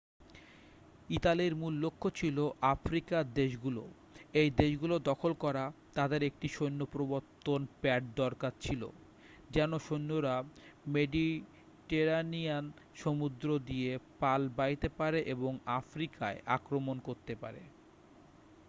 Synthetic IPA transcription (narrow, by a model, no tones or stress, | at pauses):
it̪aliɾmulːokʰːot͡ɕʰiloʔafɾikaɾd̪eʃɡulo̰ | ejd̪eʃɡulod̪ɔkʰolkɔɾat̪ad̪eɾek̚ʈiʃojnːopɾoboɾt̪ːonpɛʈ̚d̪ɔɾkaɾt͡ɕʰilo̰ | d͡ʑɛnoʃonːoɾameɖi | ʈeɾanian | ʃomud̪ɾod̪ijepalbajt̪epaɾeʔeboŋafɾikaeʔa̰kɾomonkoɾt̪epa̰ɾḛ